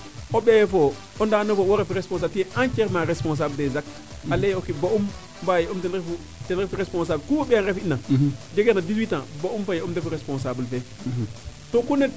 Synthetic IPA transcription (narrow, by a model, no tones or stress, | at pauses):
obejfo | ondanofowoɾefɾespõns̬atieʔãnt͡ʃeɾmaɾespõns̬abldezak̚ | alejokiboum | bajeomtenɾefu | tenɾefɾespõns̬aːbkuwobeanɾefinːad͡ʒeɡeɾnadizwitãboumfajeumdefɾespõns̬ablfe | tokunet